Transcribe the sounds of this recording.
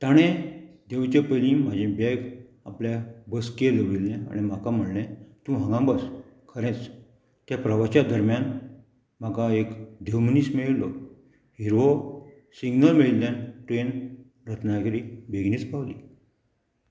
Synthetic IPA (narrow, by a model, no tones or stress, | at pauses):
t̪aɽ̃ẽd̪eʋt͡ɕepəlĩm̤ad͡ʑʱẽbɛɡ | a̰pljabəskeləʋilːɛ̃a̰ɽ̃im̤akam̤əɽnɛ̃t̪ũɦãŋɡãbəs | kʰəɾẽt͡s | t̪japɾəʋat͡ɕad̪əɾmjan | m̤akaekd̪ewmənismeɭlɔ | hiɾʋo | siɡnəlmeɭilenʈɾen | ɾət̪ʰnakɾibeɡnit͡spawli